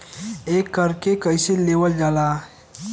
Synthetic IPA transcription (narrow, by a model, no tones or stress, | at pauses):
ekːəɾkekəjselewəld͡ʒala